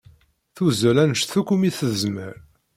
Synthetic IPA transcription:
θuzəlænəʃθukumiθəzmə̰ɾ

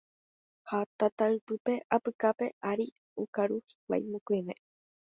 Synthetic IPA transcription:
hat̪at̪aɨpɨpe̞ʔapɨkape̞ʔaɾi | ukaɾuhi̥k̚ʷa̰jmõkʷemḛ̃

